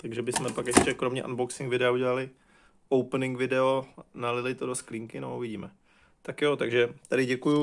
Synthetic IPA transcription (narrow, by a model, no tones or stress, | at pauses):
t̪aɡʒɛbɪsmɛpakjɛʃcɛkɾo̞mɲɛʔanboksɪŋkvɪdɛauɟɛlalɪ | owpnɪŋɡvɪdɛonalɪlɪt̪odo̞skliːŋkɪnouvɪɟiːmɛ | t̪akjo̞t̪aɡʒɛt̪adɪɟɛkuju